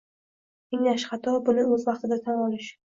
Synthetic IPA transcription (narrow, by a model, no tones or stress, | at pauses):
ɪŋlaʃχat̪ɒbʊnɪɵzvɑqt̪ɪd̪at̪ʰanɒlɪʃ